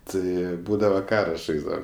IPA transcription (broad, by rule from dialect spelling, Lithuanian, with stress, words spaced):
ˈtɐɪ ˈbuːdɐʋɐ ˈkɑːrɐ ˈʒɐɪzdɐʋɐm